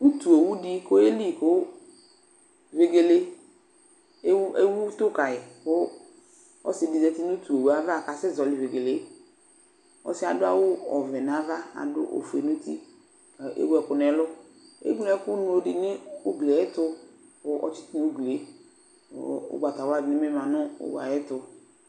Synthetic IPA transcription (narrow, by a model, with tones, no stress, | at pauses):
u˦tu˨o˨wu˦di˦ko˦e˦li˦˨kʊ˦ | ve˨ɡe˨le˦ | e˦e˦wu˦t̪ʊ˦ka˨jɪ˨kʊ˦ | ɔ̰˦sɪ˨di˨zɛ˦ti˦nu˦tu˨o˨wu˦a˦va˦˨ka˨sɪ˦˨zɔ˨lɪ˨ve˨ɡe˨le˨˦ | ɔ̰˨sɪ˦a˨dʊ˦a̰˨wʊ˦ɔ˨vɛ˨n˨a˨˦va˦a̰˨dʊ̰˦ʔo̰˨fe˨nu˦t̪ḭ˦˨ | ʔḛ˦wɛ˨kʊ˨nɛ˨˦lʊ˦ | ḛ˦ɡlɛ˦kʊ˦nʊ̃˦o˦dɪ˨nɪ˦ʊ˦ɡlɛ˨ɛ˦tʊ˦kʊ˦ʔɔ̰˨t͡ʃɪ̥˦t̪i˦u˦ɡle˨˦˨ | ʊ̰˦ɡ͡bʷa˨ta˨wa˦˨ɡnɪ̃˦mɪ˦mã˨nʊ̃˦ʊ̰˦wa̰˨je˦tʊ˨